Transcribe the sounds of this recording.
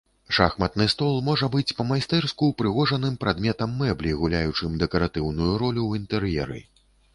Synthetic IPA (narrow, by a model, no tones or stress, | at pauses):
ʂa̰xmɐt̪nɨst̪ɔlˠmɔʐɐbɨt͡sʲpɐmajst̪ɛrskuwpɾɨɣɔʐɐnɨmpɾad̪mʲɛt̪ɐmːɛblʲiɣulʲajut͡ʂɨmd̪ɛkɐɾat̪ɨwnujuɾɔlʲuwint̪ɛɾjɛ̰ɾɨ̰